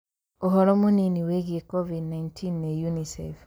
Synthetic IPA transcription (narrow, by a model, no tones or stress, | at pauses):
oɦɔɾɔmoniniweɣiekɔvidnaintʰinːejunisɛ̰f